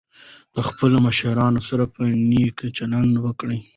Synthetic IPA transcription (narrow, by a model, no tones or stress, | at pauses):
p̪əxpəloməʃaɾɑnosaɾapənikt͡ʃaland̪wəkɽəj